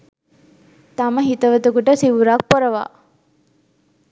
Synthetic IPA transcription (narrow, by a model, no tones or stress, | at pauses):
t̪aməɦit̪ɐʋət̪ukuʈəsiʋuɾak̚pɔɾɐʋa̰ː